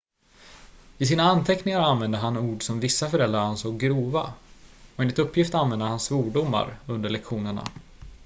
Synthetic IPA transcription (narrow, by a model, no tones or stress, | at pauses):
ɪsiːnaant̪ʰɛknɪŋaɾanvɛnd̪əɦanuːɖsɔmvɪsːafœɾɛld̪ɾaɾansɔːɡɾuːva̰ɔɛːnlɪt̪ɵpːjɪft̪anvɛnd̪əhansvuːɖʊmːa̰ɾɵnd̪əɭɛkɧuːnəɳa̰